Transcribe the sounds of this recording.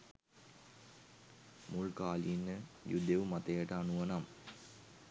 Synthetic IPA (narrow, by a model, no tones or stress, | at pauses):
muɭkaːlinːəjud̪eʋumat̪ɐjəʈəanuʋɐnam